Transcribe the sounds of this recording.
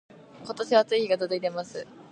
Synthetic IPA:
ko̞t̪o̞ɕiβat͡sɨiiɡad̪od̪oit̪e̞masɨ

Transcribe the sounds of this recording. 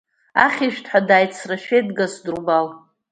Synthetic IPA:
a̰χʲiʃᶣtʰħadaːjt͡sʰraʃᶣejdɡasdrbal

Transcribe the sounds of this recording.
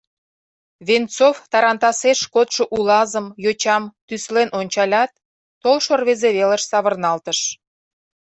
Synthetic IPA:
βent͡soft̪ɑɾɑnt̪ɑseʃkot̪ʃoʔulɑzəmjot͡ɕɑmt̪yslenʔonʲt͡ɕɑlʲɑt̪̚ː | olʃorβezeβelə̆ʃsɑβərnɑlt̪əʃ

